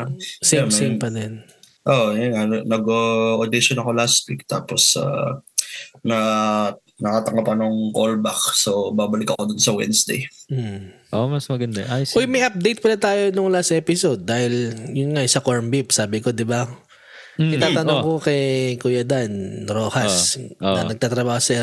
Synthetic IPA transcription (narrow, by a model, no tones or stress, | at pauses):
semejmpɐd̪ɛn | ʔoʔjʊnŋannɐɡoʔod̪ɪʃonɐkolast̪̚wik̚t̪a̰ːposa̰ | nɐ | nɐkat̪ɐŋɡapɐnoŋkolbak̚sobaːbɐlɪkɐkod̪ʊnsɐwɛ̰nsd̪ḛj̩ | ʔomɐsmɐɡɐnd̪ɐʔajojmɐjʔɐp̚d̪ejt̪̚pɐlɐt̪aːjo̞noŋlasʔɛːpɪsod̪̚ːaːhɪljʊnŋasɐkoɹmbipsaːbɪko̞d̪ɪba | nɐt̪aːt̪ɐnokokɛjkujɐd̪anɾoːhɐsnɐɐɡ̚t̪aːt̪ɾɐbaːhosɛ